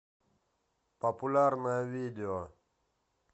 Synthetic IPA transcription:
papulaːɾmawid̪jo

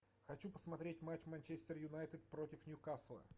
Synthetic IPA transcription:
xɐt͡ɕupə̥smɐt̪ɾʲetʲmat͡ɕmanʲt͡ɕesʲt̪ʲɪrjʊnajt̪ɪt̪̚pɾotʲɪfnʲjʊkaslˠə̰

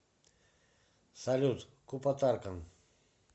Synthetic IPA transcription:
saʎʊt̪ | kʊpat̪aɾkɑŋ

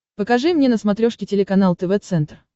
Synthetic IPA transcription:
pəkɐʐɨmnʲenəsmɐt̪ɾʲoʂkʲɪtʲɪlʲɪkɐnalˠt̪əvɛt̪sɛnt̪r

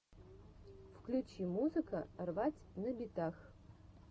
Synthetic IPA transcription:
fklʲut͡ɕimuzɨkərvatʲnəbʲɪt̪ax

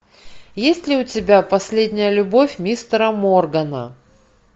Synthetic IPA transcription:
jesʲtʲlʲɪʊtʲɪbʲapɐsʲlʲedʲnʲɪjəlʲʊbofʲmʲist̪ɾəmorɡənə̰

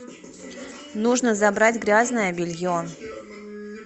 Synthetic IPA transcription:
nuʐnəzɐbɾadʲɡɾʲaznəjəbʲɪlʲɣʲɪon

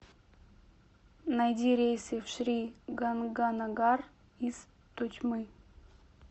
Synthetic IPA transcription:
najd̪ʲiɾʲejsʲefʂɾʲiɡanɡanaɡar | iz̥ | t̪ʊt͡ɕʲmɨ

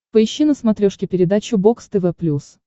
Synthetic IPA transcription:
pəɪɕːinəsmɐt̪ɾʲoʂkʲɪpʲɪɾʲɪd̪at͡ɕʊbokst̪ɛvɛplʲus

